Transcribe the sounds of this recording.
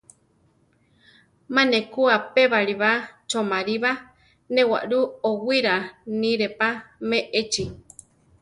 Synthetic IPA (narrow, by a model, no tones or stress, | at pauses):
mãnekuapeβaɾiβat͡ʃomaɾiβa | nẽwa̰ʔɾuowiɾanĩɾepameʔet͡ʃi